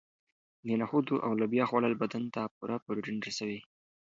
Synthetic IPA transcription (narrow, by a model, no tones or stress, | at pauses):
nenaxud̪uʔa̰wlabjɑxwalalbad̪ant̪apuɾʔapoɾeɖɪnɾasawi